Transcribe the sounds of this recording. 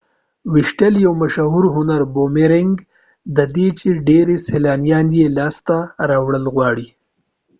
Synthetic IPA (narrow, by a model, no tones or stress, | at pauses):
wɪʃʈəljawmaʃaɦuɾɦʊnaɾbomeɾɪŋɡ | d̪əd̪et͡ʃeɖeɾeselɑːnjɑnjelɑst̪aɾɑwɽəlɣwɑɽi